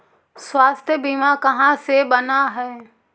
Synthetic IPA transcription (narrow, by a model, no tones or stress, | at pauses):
swaːst̪ʰjəbimakɐɦãsebənaɦɛː